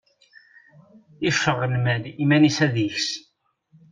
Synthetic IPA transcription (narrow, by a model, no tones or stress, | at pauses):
ifəʁːnmælimænisæðiçs